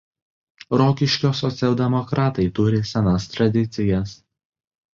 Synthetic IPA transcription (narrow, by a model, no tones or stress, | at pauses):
ɾɔːkʲɪʃʲkʲoːsɔt̪sʲɛlˠd̪ʲɛmɔkɾɑːt̪ɐɪt̪ʊɾʲɪsʲɛnɐst̪ɾɐd̪ʲɪt̪sʲɪjɛs